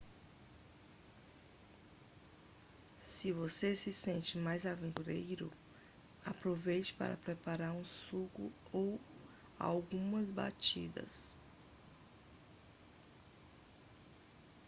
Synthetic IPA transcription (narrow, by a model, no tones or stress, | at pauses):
sɪvosesɪsẽnt͡ʃɪmajzavẽnt̪uɾejɾʊ̰ | apɾovejt͡ʃɪ̥pa̰ɾɐ̰pɾɛpaɾaɾũsukʊ̰ow | a̰wɡũmɐzba̰t͡ʃid̪ɐ̰s